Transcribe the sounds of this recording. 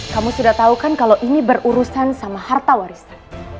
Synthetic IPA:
kamusudaht̪aukankalawʔinibəruɾusansamahart̪awaɾisḁ

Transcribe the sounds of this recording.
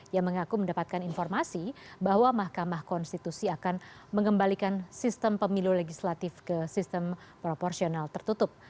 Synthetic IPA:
jaŋməŋakuməndapat̪̚kaninfɔrmasibaɦwamahkamahkɔnst̪it̪usiakanməŋəmbalikansist̪əmpəmiluleɡislat̪ɪfkəsist̪əmpɾopɔrsionalt̪ərt̪ut̪ʊp̚

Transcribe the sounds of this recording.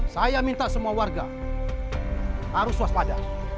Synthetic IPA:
sajamint̪aʔsəmuawarɡa | haɾʊsuaspada

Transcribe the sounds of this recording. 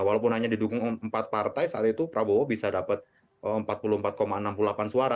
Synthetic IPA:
walawpʊnɦaɲadidukʊŋəmpat̪̚part̪ajsaat̪it̪upɾabowabisadapət̪̚ | əəmpat̪̚puluhəmpat̪̚komaənampululapansuaɾa

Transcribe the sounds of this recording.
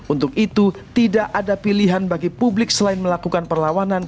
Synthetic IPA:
unt̪ʊk̚it̪u | t̪idaʔadapiliɦanbaɡipublɪk̚səlaɪnməlakukanpərlawanan

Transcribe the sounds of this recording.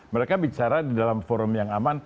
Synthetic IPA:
məɾekabit͡ʃaɾadidalamfoɾʊmjaŋaman

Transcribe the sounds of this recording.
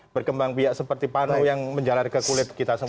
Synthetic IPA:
b̥ərkəmbaŋpiaʔsəpərt̪ipanujaŋməɲd͡ʒalarkəkulɪt̪̚kit̪asə

